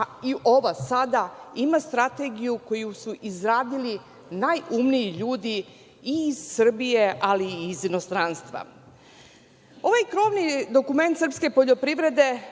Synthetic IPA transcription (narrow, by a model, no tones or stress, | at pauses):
iʔo̞ʋasad̪aimast̪ɾat̪e̞ɡijuko̞jusuʔizɾaːd̪ili | najumnijiʎuːd̪i | iːz̥sr̩bije̞ʔaliːzino̞st̪ɾaːnst̪ʋa̰ | o̞ʋajkɾo̞ːʋnid̪o̞kume̞nt̪sr̩pske̞po̞ʎo̞pɾiʋɾe̞d̪e̞